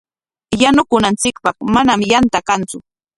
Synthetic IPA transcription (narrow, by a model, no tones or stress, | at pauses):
janʊkʊnant͡sɪkpɑχmanamjant̪akant͡sʊ